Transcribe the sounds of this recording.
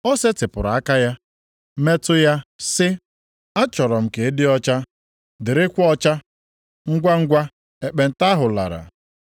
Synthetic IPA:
ɔ˦se˦tɪ˨pʊ˨ɾa˨a˦ka˦ja˦ | me˦tʊ˦ja˦sɪ˦ | a˦t͡ʃɔ˨ɾɔ˨m̩˨ke˨e˦dɪ˦ɔ˦t͡ʃa˦ | dɪ˨ɾɪ˦kʷɔ˦t͡ʃa˦ | ŋ̩˦ɡʷa˦ŋ̩˦ɡʷa˦ | e˨k͡pe˨n̩˨ta˦ɦʊ˨la̰˨ɾa̰˨

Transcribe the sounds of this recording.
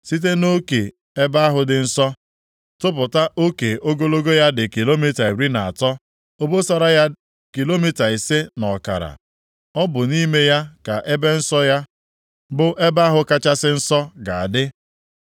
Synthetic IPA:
si˦t̬e˦no˦ke˨ | e˦ba˦ɦʊ˨dɪ˨n̩˦sɔ˦ | tʊ˦p̬ʊ˨ta˦ʔo˦ke˨o˦ɡo˦lo˦ɡo˦ja˦dɪ˨ki˨lo˦mi˦ta˨e˨ɾi˦na˨a˨tɔ˦ | o˦bo˦sa˦ɾa˦ja˦ | ki˨lo˦mi˦ta˨i˨se˦nɔ˨ka̰˨ɾa̰˨ | ɔ˦bʊ˨ni˦me˦ja˦ka˨ʔe˦be˦n̩˦sɔ˦ja˦ | bʊ˦ʔe˦ba˦ɦʊ˦ka˦t͡ʃa˦sɪ˦n̩˦sɔ˦ɡa˨a˨dɪ˦

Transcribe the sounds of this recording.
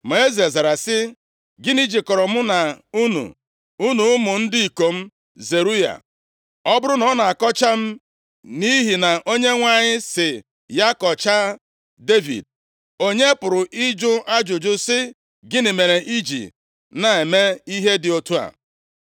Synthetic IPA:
ma˨e˦ze˨za˨ɾa˨sɪ˦ | ɡɪ˦ni˦d͡ʒi˨kɔ˨ɾɔ˨m̩˦na˨u˦nṵ˨ | u˦nu˨ʊ˦mʊ˨n̩˦dɪ˦i˨ko˨m̩˦ | ze˨ɾu˦ja̰˨ | ɔ˦bʊ˦ɾʊ˦nɔ˦na˨a˨kɔ˦t͡ʃa˦m̩˦ | ni˦ɦi˨na˨ʔo˦ɲe˦ŋʷa˨ɲɪ˦sɪ˨ | ja˦kɔ˨t͡ʃa˦ | de˦vḭ˨d̚ | o˦ɲe˦pʊ˨ɾʊ˨ʔi˦d͡ʒʊ˦ʔa˦d͡ʒʊ˨d͡ʒʊ˦sɪ˦ | ɡɪ˦nɪ˨me˨ɾe˨ʔi˦d͡ʒḭ˨ | na˨e˨me˦i˦ɦe˦dɪ˨o˨tu˦a̰˨

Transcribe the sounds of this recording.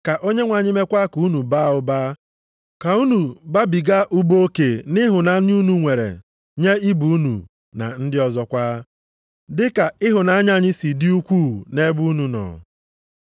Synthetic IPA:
ka˨ʔo˦ɲe˦ŋʷa˨ɲɪ˦me˦kʷa˦ku˨˦nu˨baː˦ʊ˨baː˦ | ka˨u˦nu˨ba˦bi˨ɡa˦ʔʊ˦bo˦o˦ke˨nɪ˦ɦʊ˨na˨˦ɲ˦u˦nu˨ŋʷe˨ɾḛ˨ | ɲe˦i˦bu˨u˦nṵ˨ | na̰˨n̩˦dɪ˦ɔ˨zɔ˦kʷaː˦ | dɪ˦ka˨ɪ˦ɦʊ˨na˨˦ɲ˦a˦ɲɪ˦si˨dɪ˦u˦kʷu˦˨ne˦bu˦nu˨nɔ̰ː˨

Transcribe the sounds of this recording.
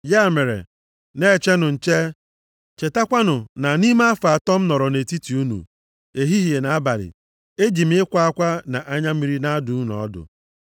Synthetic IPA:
ja˦˨me˨ɾḛ˨ | ne˦˨t͡ʃe˦nʊ˨n̩˨t͡ʃe˦ | t͡ʃe˨ta˦kʷa˦nʊ˨na˨ni˦ma˦a˦fa˨a˨tɔ˦m̩˦nɔ˨ɾɔ˨ne˨ti˦ti˨u˦nṵ˨ | e˨ɦi˦ɦi˨e˨na˨a˦ba˨lɪ̰˨ | e˦d͡ʒi˨m˦ɪ˦kʷa˦a˦kʷa˦na˨ʔa˦ɲa˦m̩˦mi˦ɾi˦na˦dʊ˨˦nɔ̰˨˦dʊ̰˨

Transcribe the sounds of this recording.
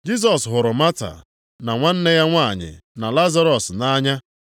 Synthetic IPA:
d͡ʒi˦s̬ɔ˨sɦʊ˨ɾʊ˨ma˦ta̰˨ | na˨ŋʷa˦n̩˦ne˦ja˦ŋʷa˦˨ɲɪ̰˨na˨la˦za˦ɾɔ˨sna˦ɲa˦

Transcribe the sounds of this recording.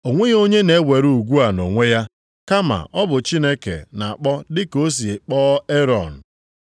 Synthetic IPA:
o˨ŋʷe˦jo˦ɲe˦ne˨˦wʷe˨ɾu˦u˨ɡʷu˦a˨no˨ŋʷe˦ja˦ | ka˦ma̰˨ʔɔ˦bʊ˨t͡ʃi˦ne˦kḛ˨na˨a˨k͡pɔ˦dɪ˦ko˦s̬i˨k͡pɔː˦e˦ɾɔ̰˨n̩˨

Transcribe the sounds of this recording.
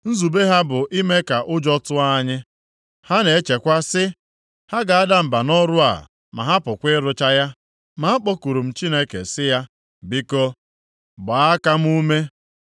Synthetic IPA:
n̩˦zu˨be˦ɦa˦bʊ˨ʔi˦me˦ka˨ʔʊ˦d͡ʒɔ˦tʊ˦a˦ɲɪ˦ | ha˦ne˨e˦t͡ʃe˨kʷa˦sɪ˦ | ha˦ɡa˨a˦da˦m̩˨ba˨nɔ˦ɾʊ˦a̰˨ | ma̰˨ɦa˦pʊ˨kʷɪ˦ɾʊ˦t͡ʃa˦ja˦ | ma˨˦a˦k͡pɔ˦ku˨ɾu˨m̩˨t͡ʃi˦ne˦kḛ˨sɪ˦ja˦ | bi˦kɔ˦ | bʊ˨a˦ka˦m̩˦u˦me˦

